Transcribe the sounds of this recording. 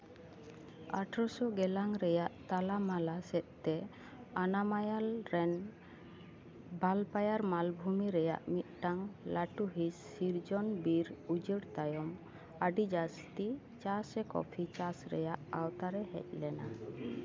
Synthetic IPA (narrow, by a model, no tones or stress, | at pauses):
a̰ʈʰɾɔsɔɡɛlaŋɾɛjaʔt̪alamalasɛt̪̚t̪ːɛ | anamajalɾɛn | bʱalpajaɾmalbʱumiɾɛja̰ʔmit̪̚ˀʈaŋlaʈuɦisːiɾd͡ʒɔnbiɾud͡ʒəɽt̪ajɔm | aɖid͡ʒast̪i | t͡ʃasɛkɔ̰pʰit͡ʃasɾɛ̰jaʔawt̪aɾɛɦɛ̰c̚lɛna